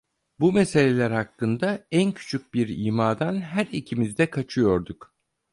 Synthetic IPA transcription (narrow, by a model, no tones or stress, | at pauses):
bumese̞lʲelʲæɾhakːɯnd̪aæncʰy̥t͡ʃʰyc̚biɾiːmaːd̪anɦæɾicʰimizd̪ɛkʰat͡ʃʰɯjo̞ɾd̪uk